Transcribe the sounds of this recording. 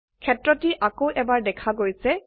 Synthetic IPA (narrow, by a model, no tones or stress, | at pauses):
kʰɛtɹɔtiʔakowʔɛbaɹdɛkʰaɡojsɛ